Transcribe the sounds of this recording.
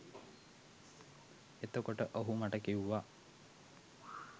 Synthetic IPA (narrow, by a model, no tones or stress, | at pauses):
et̪okoʈəʔoɦumaʈəkiwʋa